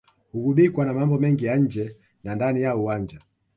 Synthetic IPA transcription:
huɡuɓikwanamambɔmɛŋɡijaɲ̩d͡ʒɛ | nandanijauwaɲd͡ʒa

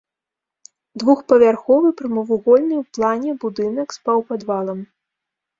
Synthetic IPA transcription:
d̪vuxpɐvʲarxɔvɨpɾɨmɐvuɣɔlʲnɨwplˠanʲɛbud̪ɨnɐkspawpad̪valˠɐm

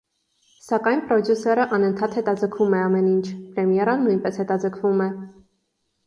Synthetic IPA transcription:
sɑkɑjnpɾɔd̪jusɛɾəʔɑnənt̪ʰɑt̪hɛt̪ɑd͡zəkʰvumɛɑmɛnint͡ʃʰpɾɛmjɛɾənːujnpɛshɛt̪ɑd͡zəkʰvumɛ

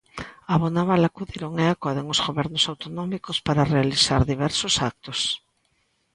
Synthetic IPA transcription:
aβonaβalakuðiɾoŋeakɔɾðeŋozɣoβɛɾnʊsawt̪onɔmikʊspaɾarealisaɾðiβɛɾsʊsak̚t̪ʊs

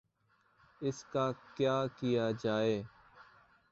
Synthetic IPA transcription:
ɪskaːkjaːkɪjaːd͡ʒaːeː

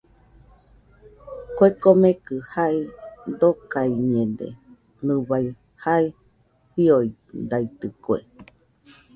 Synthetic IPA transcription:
koekomẽkɨhaid̪okaiɲẽd̪ḛ | nɨβaj | hai | ɸioid̪ait̪ɨkoḛ

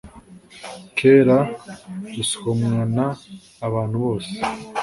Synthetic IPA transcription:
kʰeːɾa | isi̥homŋanaː | βaːn̥huβo̞ːse̥

